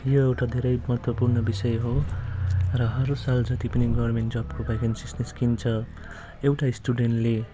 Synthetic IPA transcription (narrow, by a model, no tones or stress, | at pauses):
joewʈad̪ʱeɾʌjmʌɦʌt̪wʌpurnʌbisʌjɦo | rʌɦʌɾusald͡zʌt̪ipʌniɡʌbrmeɳʈd͡zʌbkobʌjkansisniskint͡sʰʌ | ewʈaisʈuɖeɳʈle